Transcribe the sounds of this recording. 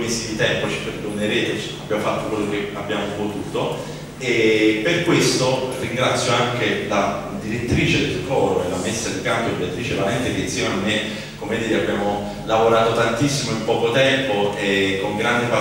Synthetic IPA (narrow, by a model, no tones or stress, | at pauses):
misːid̪it̪ɛmpot͡ʃi̥peɾd̪oneɾeːt̪et͡ʃa̰bːjaːmofat̪ːokwɔlːok̟eabjaːmopot̪uːt̪o | eperkwest̪oriŋɡɾat̪sːjoaŋk̟ela | d̪iɾet̪ːɾiːt͡ʃed̪elkɔːɾoḛlamesːad̪ikampod̪iɾat̪ːɾiːt͡ʃevalɛnt̪ek̟einsjeːmaamːe | komed̪iːɾeabjaːmo | lavoɾaːt̪ot̪ant̪isːimoimpɔːkot̪ɛmpoekːoŋɡɾand̪epa